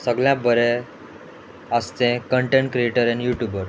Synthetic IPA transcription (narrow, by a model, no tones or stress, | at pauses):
səɡljãbəɾɛ | əst̪ẽkəɳʈẽɳʈ̚kɾieʈəɾɛnjuʈjubəɾ